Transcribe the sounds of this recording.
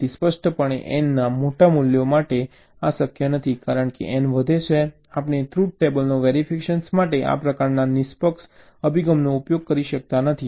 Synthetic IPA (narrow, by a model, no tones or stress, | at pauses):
t̪ispəʃʈʰəpəɳḛʔɛ̰nːamoʈamuljomaʈe | asəkjənət̪ʰikaɾəɳkḛʔɛnʋəd̪ʱet͡ʃʰe | apnet̪ʰɾuʈ̚ʈebəlnoʋeɾifʰikeʃənsmaʈeʔa̰pɾəkaɾnanɪspəks | əbʱiɡəmnoupjoɡ̚kəɾiʃək̚t̪anət̪ʰi